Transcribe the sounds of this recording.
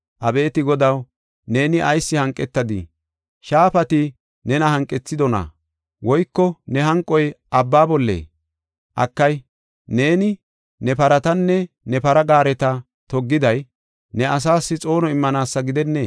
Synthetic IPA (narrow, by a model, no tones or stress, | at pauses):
ʔɐbe̞ːt̪ɪɡɔd̪ɐw | ne̞ːnɪʔɐjsːɪhɐŋkʼːɛt̪ːɐd̪ɪ̰ | ʃaːfɐt̪ɪ | nɛnɐhɐŋkʼːɛt͡sːɪd̪ɔnɐ̰ | wɔjkːɔnɛɦɐŋkʼːɔjʔɐbːaːbɔlːḛː | ʔɐ̰kːɐj | ne̞ːnɪ | nɛpɐɾɐt̪ɐnːɛ | nɛpɐɾɐɡaːɾɛt̪ɐ | t̪ɔɡːɪd̪ɐj | nɛɐs̬aːsːɪt͡sʼo̞ːnɔɪmːɐnaːsːɐɡɪd̪ɛnːeː